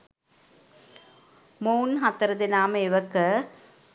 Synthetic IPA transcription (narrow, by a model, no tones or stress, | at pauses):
moːnɦat̪ːɐɾɐðɪnaːmɐɪʋɐkːɐ